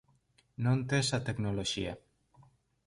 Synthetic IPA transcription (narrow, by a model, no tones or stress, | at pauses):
nont̪esat̪eknoloʃia